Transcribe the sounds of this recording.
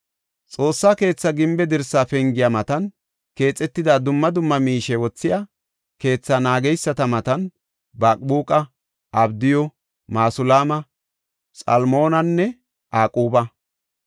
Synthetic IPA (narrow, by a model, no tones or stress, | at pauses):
t͡sʼo̞ːsːaːke̞ːt͡sːɐɡɪmbɛd̪ɪɾsːaːfɛŋɡɪjamɐt̪ɐn | ke̞ːt͡sʼːɛt̪ːɪd̪aːd̪ʊmːɐd̪ʊmːɐmiːʃɛwɔt͡sːɪja | ke̞ːt͡sːɐnaːɡɛjsːɐt̪ɐmɐt̪ɐn | baːkʼbuːkʼɐ | ʔɐbd̪ɪjɔ | maːsʊlaːmɐ | sʼɐ̰lmo̞ːnɐnːɛ | ʔaːkʼuːbɐ